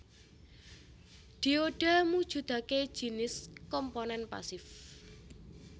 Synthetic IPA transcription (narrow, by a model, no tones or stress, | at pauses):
d̪̥i̤oɖ̥amud̥ʒ̥ṳd̪̥a̤ke̥ʒ̥i̤nɪskɔmponɛnpa̰sɪf